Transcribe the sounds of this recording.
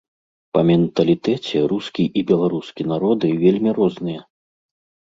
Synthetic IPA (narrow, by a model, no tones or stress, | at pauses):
pɐmʲɛnt̪ɐlʲit̪ɛt͡sʲɛruskʲiʔibʲɛlˠaɾuskʲinaɾɔd̪ɨvʲelʲmʲirɔznɨjɐ